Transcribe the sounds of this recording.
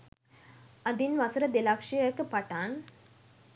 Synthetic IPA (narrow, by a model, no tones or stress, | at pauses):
ɐd̪inʋɐsɐɾɐd̪ɪlaːkʂijɐkːɯpɐʈːaːn